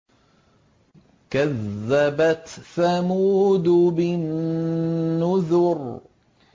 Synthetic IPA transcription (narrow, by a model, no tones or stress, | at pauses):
kaðːabat̪θamud̪ʊbɪnː | ʊðʊɾ